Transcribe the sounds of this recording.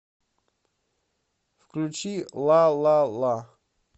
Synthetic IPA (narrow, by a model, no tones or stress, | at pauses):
fklʲut͡ʃʰilˠalˠala